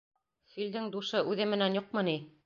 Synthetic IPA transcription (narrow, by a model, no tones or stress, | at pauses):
fild̪ɘŋd̪uʃɤʔʉðɘmɘ̆nænjuq̚mɤni